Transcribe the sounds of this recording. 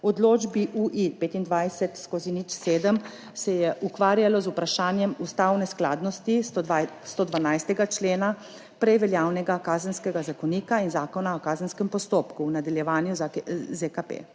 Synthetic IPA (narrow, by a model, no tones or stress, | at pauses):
ɔd̪loːd͡ʒbiʔuʔipeːt̪ind̪ʋajsɛt̪skozinit͡ʃseːd̪əm | sɛjɛʔukʋaːɾjalɔzupɾaʃaːnjɛmust̪awnɛsklaːd̪nɔst̪ist̪od̪ʋanajst̪ɛɡat͡ʃleːna | pɾɛjʋɛljaːwnɛɡakaːzənskɛɡazakɔniːkainzaːkɔnaɔkaːzənskɛmpɔst̪oːpkuwnad̪aljɛʋaːnjuzekapḛ